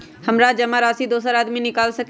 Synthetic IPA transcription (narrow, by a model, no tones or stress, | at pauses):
hɐmɾad͡ʒɐmaɾaːsid̪oːsəɾaːd̪minɪkaːlsɐk